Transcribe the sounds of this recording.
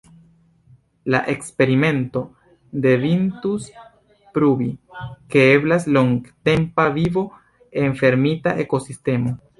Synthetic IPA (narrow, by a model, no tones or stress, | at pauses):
la̰ʔe̞kspe̞ɾime̞nto̞ | de̞vintus | pɾubike̞eblasloŋɡte̞mpavivo̞ | e̞nfe̞ɾmitaʔe̞ko̞siste̞mo̞